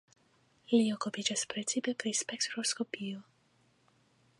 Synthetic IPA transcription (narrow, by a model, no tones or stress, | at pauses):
liokopit͡ʃaspɾɛsipɛpɾispɛkt̪ɾoskopiju